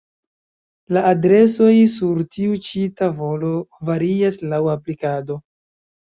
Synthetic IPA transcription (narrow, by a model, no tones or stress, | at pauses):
laːdɾe̞so̞jsuɾtiut͡ʃitavo̞lo̞vaɾiaslawaplikado̞